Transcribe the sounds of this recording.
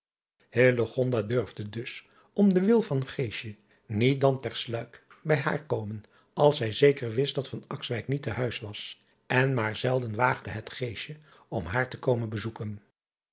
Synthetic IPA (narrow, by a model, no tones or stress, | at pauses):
hɪloχɔndadøɹvdədɵs | ɔmdəʋɪlˠvɑnχejʃə | nit̚dɑntɛɹslœɥk | bɛjɦa̰ːɹkowmən | ʔɑlˠsɦɛjzejkərʋɪst̚dɑtfɑnɑksʋɛjknitəɦœɥsʋɑs | ɛnmaːɹzɛlˠdənʋaːχdəɦətχejʃə | ɔmɦaːɹtəkowmənbəzukən